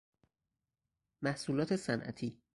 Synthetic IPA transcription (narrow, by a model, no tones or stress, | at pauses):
mæhsuːlɒːt̪ʰesænʔæ̰t̪ʰiː